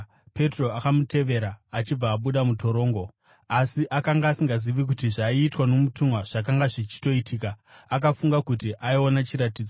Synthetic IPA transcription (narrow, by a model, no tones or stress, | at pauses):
pe̞tro̞akamute̞ʋe̞ɾaːt͡ʃib͡vaːɓuɗamuto̞ɾo̞ːŋɡo̞ | asiʔakaŋɡaːsiŋɡaziʋik̬utiʐaiːtwano̞mutumwaʐ̥ak̬aŋɡaʐit͡ʃi̥to̞itʰiːkaːk̬afuŋɡakutiʔaio̞nat͡ʃiɾatid͡zo